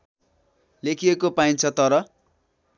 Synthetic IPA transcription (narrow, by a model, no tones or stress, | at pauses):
lekʰiekopaint͡sʰʌt̪ʌɾʌ